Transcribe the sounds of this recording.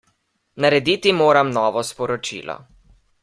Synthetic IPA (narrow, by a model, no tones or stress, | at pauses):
naɾɛd̪iːt̪imoːɾamnɔːʋɔspɔɾɔt͡ʃḭːlɔ̰